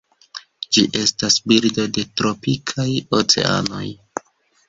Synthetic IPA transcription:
d͡ʒiʔe̞stasbiɾdo̞de̞tɾo̞pikʰajot͡se̞̰a̰no̞̰j

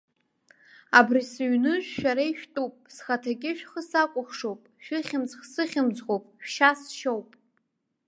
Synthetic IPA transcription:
abrisɥnɨʒʷᶣʃᶣaɾaiʃᶣtʼupʼsχatʰaɡʲʼɪʃᶣχəsakʷʼʊχʂowpʼʃᶣɨχʲɪmzχsɨχʲɪmd͡zʁowpʼʃʃasʃowpʼ

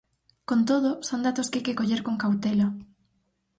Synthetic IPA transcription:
kont̪oð̞osond̪at̪oskajkekoʎeɾkoŋkawt̪elo

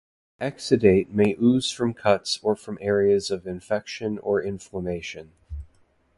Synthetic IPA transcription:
ʔɛksɨdeɪt̚meɪʔʉz̥fɹʌ̃mkʰʌtsə˞fɹʌ̃mʔɛɹiɨzʌvɨ̃ɱfɛkʃɨ̃nə˞ɪ̃ɱfləmeɪʃɨ̃n

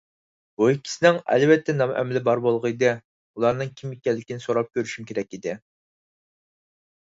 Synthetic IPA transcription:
b̥uikʲʰːi̥sɪnɪŋɛ̰lvɛt̪ʰːɛnɑmʔɛ̰mlɪbɑɾbolˠʁəɪd̪ɨ | ulˠɑɾnɨŋkʲʰimikʲːɛlːɪkʲinɪsoɾɑp̚kʲøɾyʃymkʲʰeɾɛk̚ʲid̪ɪ

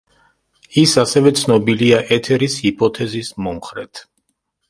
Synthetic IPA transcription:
isasɛvɛt̪sʰnɔbiliaʔɛt̪ʰɛɾishipʼɔt̪ʰɛzismɔmχɾɛt̪ʰ

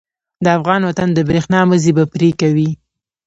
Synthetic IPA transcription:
d̪əafɣɑnwat̪and̪əbɾexnɑməzibapɾekawi

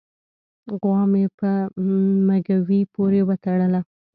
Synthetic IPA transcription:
ɣwɑmepə | maɡawipoɾewat̪aɽəla

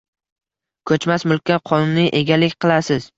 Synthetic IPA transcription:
kʰɵt͡ʃmasmʊlˠkʲʰaqʰɒnʊnːɪʔe̞ɡʲalɪkʲqʰɨlˠasɪz̥

